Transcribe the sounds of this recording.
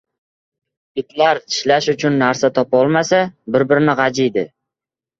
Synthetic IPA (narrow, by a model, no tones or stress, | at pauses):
ɪt̪ʰlaɾt̪ʰɪ̥ʃlaʃʊt͡ʃʰʊnːaɾsat̪ʰɒpɒlˠmasabɪɾbɪɾɪnɪʁɑd͡ʒɪjd̪ɪ